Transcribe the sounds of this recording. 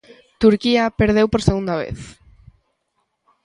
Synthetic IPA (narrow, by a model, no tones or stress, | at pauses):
t̪uɾkiapeɾð̞ewpoɾseɣũnd̪aβ̞ḛθ